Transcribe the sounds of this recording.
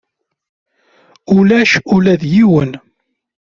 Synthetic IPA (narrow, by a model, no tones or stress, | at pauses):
ʊlæʃʊlæðjiwən